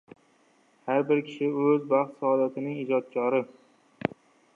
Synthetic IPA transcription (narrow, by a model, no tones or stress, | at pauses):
haɾbɪɾkʲʰɪ̥ʃɪɵzbɑχt̪saɒd̪at̪ʰɪnɪŋɪd͡ʒɒt̪̚kʲʰɒɾɪ